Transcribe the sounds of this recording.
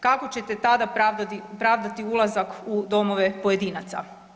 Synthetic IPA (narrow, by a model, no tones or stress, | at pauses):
kako̞t͡ɕe̞t̪e̞t̪ad̪apɾad̪at̪ipɾaʋd̪at̪iulˠazakud̪o̞mo̞ʋe̞poje̞d̪iːnat̪sa̰